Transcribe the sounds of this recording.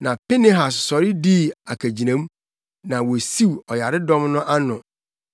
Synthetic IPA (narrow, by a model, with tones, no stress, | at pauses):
nã˨pe˦ne˦ɦa˨ssɔ˨ɾɪ˦di˦a˨kʰæ˨d͡ʑi˨nã˨˦m˦ | nã˨wo˨si˦wɔ˨ja˨ɾɪ˦dɔ̃˦mnʊ̃˦ʔa˦nʊ̃˨